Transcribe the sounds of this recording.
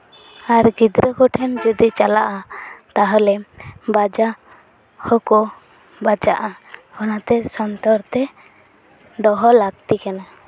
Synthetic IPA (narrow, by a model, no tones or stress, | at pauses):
aɾɡid̪ɾɔkɔʈʰɛnd͡ʒɔd̪it͡ʃalaʔat̪aɦɔlɛbad͡ʒa | hɔkɔ | bad͡ʒaʔaɔnat̪ɛsɔnt̪ɔɾt̪ɛ | d̪ɔɦɔlaɡ̚t̪ikana